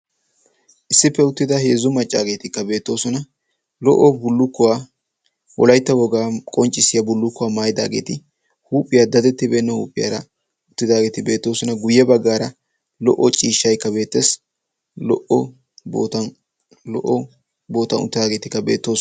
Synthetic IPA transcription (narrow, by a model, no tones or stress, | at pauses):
ʔɪsːɪpːɛʊt̪ːɪd̪ɐheːzʊmɐt͡ʃʼːaːɡe̞ːt̪ɪkːɐbe̞ːt̪ːo̞ːsɔnɐ | lɔ̰ʔːɔbʊlːʊkːʊwaː | wɔ̰lɐjt̪ːɐwɔɡaːkʼɔnt͡ʃʼːɪsɪjɐbʊlːʊkːʊwaːmaːjɪd̪a̰ːɡe̞̰ːt̪ɪ | huːpʼːɪjad̪ɐd̪ɛt̪ːɪbe̞ːnːɔhṵːpʼːɪja̰ːɾɐ̰ | ʊt̪ːɪd̪aːɡe̞ːt̪ɪbe̞ːt̪ːo̞ːsɔnɐɡʊjːɛbɐɡːaːɾɐ | lɔ̰ʔːɔt͡ʃʼiːʃːɐjkːɐbe̞ːt̪ːes | lɔʔɔ | bo̰ːt̪ɐn | lɔ̰ʔɔ | bo̞ːt̪ɐnʊ̰t̪ːɪd̪aːɡe̞ːt̪ɪkːɐbḛːt̪ːo̞ː